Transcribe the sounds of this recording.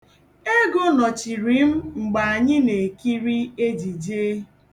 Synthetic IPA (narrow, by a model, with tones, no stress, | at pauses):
e˦ɡo˦nɔ˨t͡ʃi˨ɾi˨˦m̩˦ŋ͡m̩˨ɡ͡ba˨a˨ɲɪ˦ne˨ki˦ɾi˦e˦d͡ʒi˨d͡ʒe˦